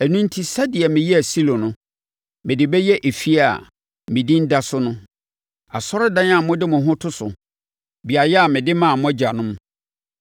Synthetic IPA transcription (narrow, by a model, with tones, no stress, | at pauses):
æ˨nũ˦n˦tʰi˦sa˦dɪ˨ɛ˨mɪ̃˨jɛ˦æ˨si˦lɔ̃˨nʊ̃˦ | mɪ̃˨dɪ˨bɛ˦jɛ˦ʔe˨fi˦a̰˨ | mɪ̃˨dĩ˦n̩˦da˦sʊ˦nʊ̃˦ | a̰˨sɔ˦ɾɪ˦dã˦n˦ã˨mʊ̃˦dɪ˦mʊ̃˨ɦʊ̃˦tʰʊ˦sʊ̰˨ | bi˨a˨jɛ˦a˨mɪ̃˨dɪ˦mã˦˨mʊ̃˦æ˦d͡ʑa˨nʊ̃˦m˦